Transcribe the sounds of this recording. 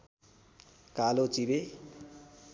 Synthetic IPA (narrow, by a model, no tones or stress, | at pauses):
kalot͡sibe